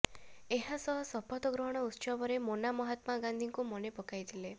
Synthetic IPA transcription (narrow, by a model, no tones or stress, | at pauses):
eɦasɔɦɔsɔpɔt̪ɔɡɾɔɦɔɽ̃ɔut̪ːt͡ʃɔbɔɾemonamɔɦat̪maɡãnd̪ʱiŋkumɔnepɔkajt̪ʰile